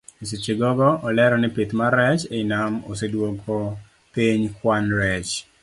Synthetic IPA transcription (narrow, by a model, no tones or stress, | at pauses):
iset͡ʃeɡɔɡɔʔɔlɛɾɔnɪpit̪maɾɛt͡ʃenamo̰sedwokʰɔ | p̪eɲkwanɾɛt͡ʃ